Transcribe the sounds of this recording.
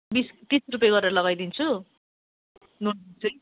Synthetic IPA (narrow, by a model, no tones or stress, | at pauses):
bist̪isrup̬jeɡʌɾeɾʌlʌɡajd̪int͡sʰu | nond̪int͡sʰʌj